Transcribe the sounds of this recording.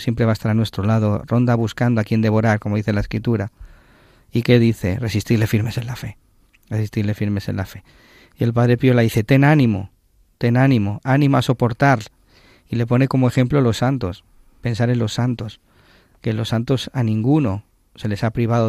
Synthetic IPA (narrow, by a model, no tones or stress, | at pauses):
sje̞mpɾeβaest̪aɾanwe̞st̪ɾolað̞o̞ro̞nd̪aβuskand̪oakie̞nd̪e̞βo̞ɾaɾko̞moðiθe̞lae̞skɾit̪uɾa | ike̞ðiθe̞re̞sist̪iɾle̞fiɾme̞se̞nlafe̞ | resist̪iɾle̞fiɾme̞se̞̰nlafe̞ | ie̞lpaðɾe̞pjolaðiθe̞t̪e̞nanĩmo̞̰ | t̪e̞nanĩmo̞anĩmoaso̞po̞ɾt̪aɾ | ile̞po̞ne̞ko̞moexe̞mplolo̞sːant̪o̞s | pe̞nsaɾe̞nlo̞sːant̪o̞s | kelo̞sːant̪o̞sanĩŋɡuno̞ | se̞le̞sapɾiβ̞aðo